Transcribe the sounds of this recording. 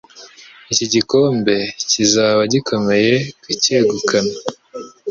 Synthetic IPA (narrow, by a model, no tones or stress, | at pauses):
iciɟiko̞ːmbe̞cizaːβaɟikʰo̞me̞je̞kuceːɡukʰana